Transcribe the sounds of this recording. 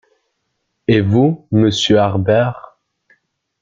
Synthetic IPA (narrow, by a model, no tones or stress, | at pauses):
evuməsjøaʁbɛːʁ